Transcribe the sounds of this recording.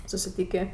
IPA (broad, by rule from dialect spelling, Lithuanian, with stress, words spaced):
sʊsʲɪˈtʲiːkʲeː